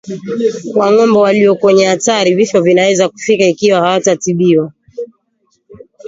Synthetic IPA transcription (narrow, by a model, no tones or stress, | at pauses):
kwaŋɔmbɔwaliɔkwɛɲɛhataɾivifɔvinawɛzaku̥fikaikiwahawatatiɓiwa